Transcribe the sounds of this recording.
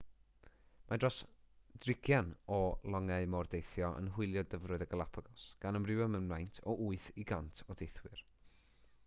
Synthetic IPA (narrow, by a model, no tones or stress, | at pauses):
mʔadrɔsdrɪkʰjanɔlˠɔŋɛɨmɔrdejθjɔʔə̰nɦʊɨlˠjɔdəvrʊɨðəɡəlˠapʰaɡɔsɡ̥anəmrɪwəmənmlˠajntʰɔʔuɨθiɡantʰɔd̥ejθwɪr